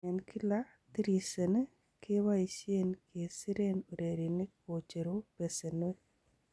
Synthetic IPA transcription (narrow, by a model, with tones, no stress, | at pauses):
ɛ˨nkʰi˦la˦ | t̪i˦ɾe˨se˨ne˦ | ke˦wa˦isje˦nke˨si˦ɾe˦no˨ɾe˨ɾi˨nɪ˦k̚o˨t͡ʃe˨ɾo˦pe˨se˨n˦e˦